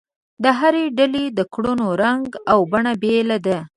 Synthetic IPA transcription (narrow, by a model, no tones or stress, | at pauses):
d̪əɦaɾeɖaled̪əkɽunoɾaŋɡawbaɳabelad̪a